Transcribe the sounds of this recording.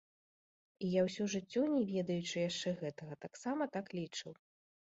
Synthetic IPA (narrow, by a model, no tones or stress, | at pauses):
ijawsʲuʐɨt͡sʲːɔnʲɛvʲɛd̪ɐjut͡ʂɨjaʂt͡ʂɛɣɛt̪ɐɣɐt̪aksamɐt̪aklʲit͡ʂɨw